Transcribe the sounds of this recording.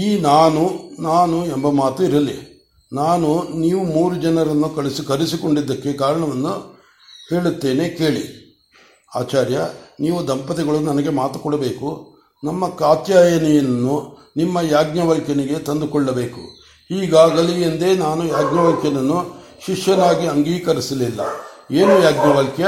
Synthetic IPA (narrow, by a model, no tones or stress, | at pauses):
iːnaːnunaːnuɛmbɐmaːt̪uiɾɐlːi | naːnuniːʋumuːɾud͡ʒɐnɐɾɐnːukɐɭisikɐɾisiko̞ɳɖid̪ːɐkːe̞kaːɾɐɳɐʋɐnːu | he̞ːɭut̪ːe̞ːne̞ke̞ːɭḭ | a̰ːt͡ʃaːɾjɐniːʋud̪ɐmpɐt̪ɛɡɐɭunɐnɐɡe̞maːt̪u̥kɔɽɐbe̞ːku | nɐmːɐkaːt̪jaːjɐnijɐnnːu | nimːɐjaːɡɲɐʋɐlkjɐniɡe̞t̪ɐnd̪ukɔɭːɐbe̞ːkṵ | hiːɡaːɡɐlijɐnd̪e̞ːnaːnujaːɡɲɐʋɐlkjɐnɐnːu | ʃiʂjɐnaːɡiɐŋɡiːkɐɾisɐlilːɐ̰eːnujaːɡɲɐʋɐlkjɐ